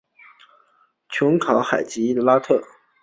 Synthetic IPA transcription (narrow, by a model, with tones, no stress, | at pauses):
t͡ɕʰʊ˧˥ŋkʰɑ˧˥ʊxa˨˩ɪt͡ɕi˧˥i˥d̪ə˨la˥t̪ʰɤ˥˩